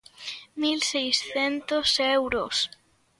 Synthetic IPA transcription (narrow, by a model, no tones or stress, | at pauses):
milsejsθent̪osewɾos